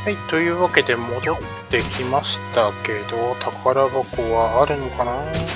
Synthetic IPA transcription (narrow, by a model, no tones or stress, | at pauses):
hait̪ːo̞jɯ̟ːβake̞d̪e̞mo̞d̪o̞t̪ːe̞kʲimaɕi̥t̪ake̞d̪o̞t̪ʰakaɾabakoβaːɾɯ̟nokana